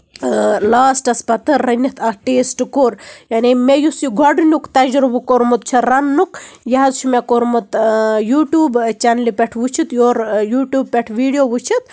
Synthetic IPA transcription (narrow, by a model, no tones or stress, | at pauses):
laːsʈɐspɐt̪ɐɾːɐnʲːɐt̪ʰɐʈeːsʈkoːɾjanimejusiɡʱɐɖnʲukt̪ɐd͡ʒɾubukoɾmut̪̚t͡ʃʰɐɾɐnːukjɐɦɐzt͡ʃʰumekoɾmɨt̪juːʈʲjuːbt͡ʃɐnlipʲeʈʰʋut͡ʃʰit̪joːɾjuːʈʲjuːb̚pʲeʈʰʋiːɖjoːʋut͡ʃʰit̪